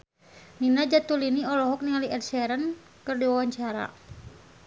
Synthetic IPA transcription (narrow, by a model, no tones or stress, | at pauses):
ninad͡ʒat̪uliniɔlɔɦɔk̚niŋaliɛdsɛɾən | kɨrdiwawaɲt͡ʃaɾa̰